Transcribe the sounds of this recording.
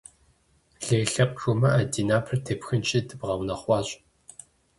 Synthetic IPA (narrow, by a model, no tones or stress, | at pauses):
ɮeːɬɐqʼxʊmɐʔadiːnaːpʰɨrtʰepxɨnt͡ʃʼidɨbʁɐwnɐχʷɑːɕʼ